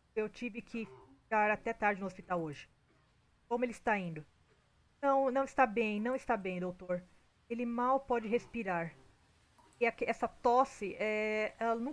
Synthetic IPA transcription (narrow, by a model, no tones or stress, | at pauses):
ewt͡ʃivɪkʰɪfkaɾat̪ɛt̪aɾd͡ʒɪnʊospit̪awoʒɪ | kõmʊelɪist̪aĩnd̪ʊ | nɐ̃w̃nɐ̃w̃ɪst̪abẽj̃nɐ̃w̃ɪst̪abẽj̃d̪owt̪oɾ | elɪmawpɔd͡ʒɪɦespiɾaɾ | ɪakɛsɐt̪ɔsɪʔɛɛlɐnũ